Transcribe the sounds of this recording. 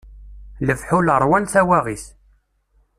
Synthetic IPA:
ləfħuləɾˤwænθæwæʁiθ

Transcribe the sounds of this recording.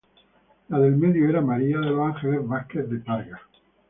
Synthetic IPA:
laðelmeðjoeɾamaɾiaðelaŋxelezβaskeθd̪epaɾɣa

